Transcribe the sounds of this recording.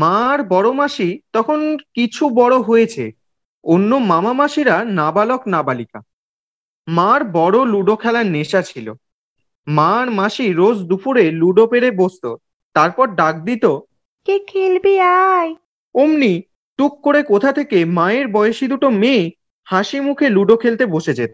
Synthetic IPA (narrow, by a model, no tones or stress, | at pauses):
mãɾbɔɽomaʃit̪ɔkʰonkit͡ɕʰubɔɽoɦojet͡ɕʰḛ | onːomamamaʃiɾanabaloknabalika̰ | mãɾbɔɽoluɖokʰɛlaɾneʃat͡ɕʰilo̰ | mãɾmaʃiɾod͡ʑd̪upuɾeluɖopeɾebost̪o | t̪aɾpɔɾɖak̚d̪it̪o | kekʰelbeaj | omni | ʈukːoɾekot̪ʰat̪ʰekemaeɾbɔeoʃid̪uʈome | haʃimukʰeluɖokʰelt̪eboʃed͡ʑet̪o